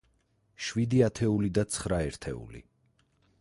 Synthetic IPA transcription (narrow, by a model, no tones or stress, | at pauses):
ʃwid̪iat̪ʰɛulid̪at̪sʰχɾaɛɾt̪ʰɛ̰ṵlḭ